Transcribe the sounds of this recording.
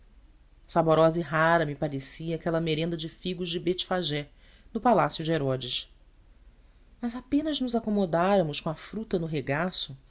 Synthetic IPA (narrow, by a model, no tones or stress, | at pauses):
saboɾɔzɐiɦaɾɐmipaɾesiɐakɛlɐmeɾẽnd̪ɐd͡ʒɪfiɡʊʒd͡ʒɪbet͡ʃi̥faʒɛ | nʊpalasjʊd͡ʒɪeɾɔd͡ʒɪʃ | mɐzapẽnɐznʊzakomod̪aɾɐmʊʃkõɐfɾut̪ɐnʊɦeɡasʊ